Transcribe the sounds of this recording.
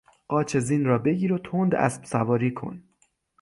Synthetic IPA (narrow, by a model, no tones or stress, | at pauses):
ɢ̥ɒːt͡ʃʰe̞ziːnɾɒːbe̞ɡiːɾot̪ʰond̪æ̰sb̥sævɒːɾiːkʰo̞̰n